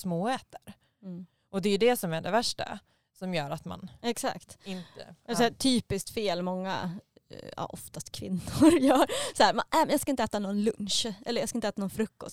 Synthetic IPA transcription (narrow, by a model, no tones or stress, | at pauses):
smoːɛːt̪əɾ | ʔɔd̪ɛjɵd̪ɛsɔmæɖɛvæʂʈa̰ | sɔmjœːɾat̪ma̰nɛksa̰kt̪ɪnt̪ə̰ɛsɔæːt̪ʰyːpɪsk̚t̪feːlmɔŋːa̰ | a̰ʔɔft̪ast̪kʰvɪ̰nːʊɾjœːɾsɔæːmanɛːmɛnjɑɡskaɪnt̪əɛːt̪anɔnlɵnʂʔɛ̰lːəɾjɑːɡskaɪnt̪ɛːt̪anɔnfɾɵkːɔst̪